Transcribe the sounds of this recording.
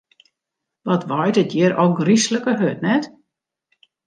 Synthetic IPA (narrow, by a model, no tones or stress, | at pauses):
ʋɔtʋɔjtətjɪɾoɡrisləkəɦøtnɛt